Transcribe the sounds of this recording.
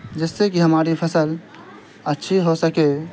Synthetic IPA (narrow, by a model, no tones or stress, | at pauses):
d͡ʒesːekiɦəmaɾipʰəsəl | ətːʃʰiɦosəke